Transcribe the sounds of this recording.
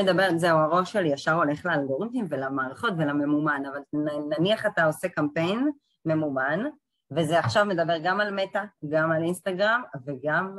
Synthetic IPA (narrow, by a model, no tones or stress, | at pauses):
ed̪abeʁzeuaʁo̞ʃe̞lijaʃaʁo̞le̞χlealɡo̞ʁitimvelamaːʁaχo̞tvelame̞mumanavalnnaniaχat̪ao̞se̞kampe̞jn | me̞muman | vezeaχʃavme̞d̪abe̞ʁɡamalmetaɡamalinst̪aɡʁamveɡam